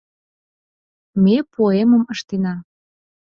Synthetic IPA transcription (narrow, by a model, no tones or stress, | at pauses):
mepoeməməʃt̪enɑ